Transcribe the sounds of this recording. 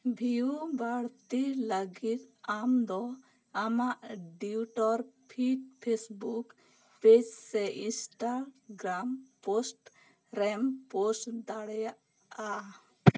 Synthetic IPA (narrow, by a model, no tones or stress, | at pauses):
bʱijubaɽt̪iləɡit̪amd̪ɔ | amaʔɖiuʈɔɾpʰiʈpʰesbuk | ped͡ʒsɛisʈaɡɾamposʈ | ɾɛmposʈd̪aɽɛjaʔ | a